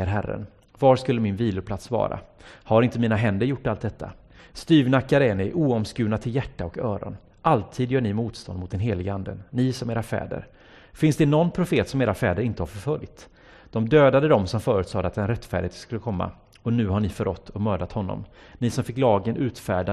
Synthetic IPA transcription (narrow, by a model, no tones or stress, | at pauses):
əɾɦæɾːə̰n | vaʂkɵlːəmɪnviːlʊpʰlat̪svɑ̰ːɾa̰haɾɪnt̪əmiːnaɦɛnd̪əɾjʊʈːalt̪̚d̪ɛt̪ʰːa̰ | st̪yːvnakːaɾəɛnɛʔuːɔmskʉ̟ːnat̪ʰɪljæʈːaɔkœːɾɔ̰n | ʔalt̪ʰiːd̪jœːɳɪmuːt̪st̪ɔnmʊt̪d̪ɛnɦeːlɪɡəand̪ə̰nɪsɔmeːɾafɛ̰ːd̪ə̰ɾ | fɪnsd̪ɛnɔnpʰɾʊfeːt̪sɔmeːɾafɛ̰ːd̪əɾɪnt̪əhaɾfœɾfœljt̪ | d̪̥ɔmd̪øːd̪ad̪əd̪ɔmsɔmfœːɾʉ̟ːt̪sɑːd̪əat̪d̪ɛnɾɛt̪ːfæːɖɪheːt̪skɵlːəkʰɔmːa̰ | ɔnʉ̟ːɦaɳɪfœɾɔt̪ʰːɔmøːd̪at̪hɔnːɔ̰m | nɪsɔmfɪkːlɑːɡənʔʉ̟ːt̪fæːɖa